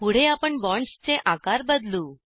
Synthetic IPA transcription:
puɽ̤eapəɳbɔɳst͡seʔakaɾbəd̪lu

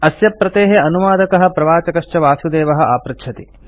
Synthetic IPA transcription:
ɐsjɐpɾɐt̪eːɦeɐnuʋaːd̪ɐkɐɦɐ̆pɾɐʋaːt͡ʃɐkɐʂʃt͡ʃɐʋaːsjud̪eːʋɐɦɐ̆ʔaːpɾɐkʃʰɐt̪i

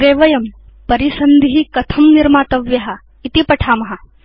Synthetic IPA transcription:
ɾeːʋɐjɐmpɐɾisɐnd̪ʱiɦikɐt̪ʰɐmniɾmaːt̪ɐʋjɐɦɐ | it̪ipɐʈʰaːmɐɦɐ

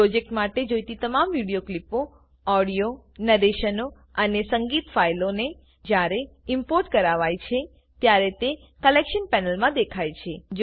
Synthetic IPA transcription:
pɾod͡ʒek̚ʈmaʈed͡ʒojt̪it̪əmamʋiɽijoklipo | ɔɽijonəɾeʃəno | ənesəŋɡit̪failone | d͡ʒjaɾe | impoɾʈkəɾaʋajt͡ʃʰe | t̪jaɾet̪e | kəlekʃənpɛnəlmãd̪ekʰajt͡ʃʰed͡ʒ

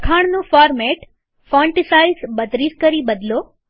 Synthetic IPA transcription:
kʰaɳ̃nũfɔɾmɛʈ | fɔ̃ɳʈisaizbət̪ɾiskəɾibəd̪lo

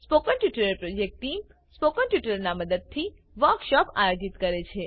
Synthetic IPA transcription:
spokənʈjuʈəɾəɾpɾod͡ʒek̚ʈʈim | spokənʈjuʈəɾnaməd̪əd̪̚t̪ʰi | ʋəɾkʃɔpajod͡ʒit̪kəɾet͡ʃʰe

